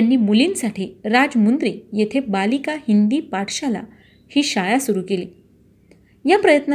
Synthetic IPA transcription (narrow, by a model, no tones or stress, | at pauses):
anːiːmuliːnsaʈʰiːɾad͡zmund̪ɾiːjet̪ʰebalikahind̪iːpaʈɕala̰ | hiːɕajasuɾukelḭː | japɾəjət̪na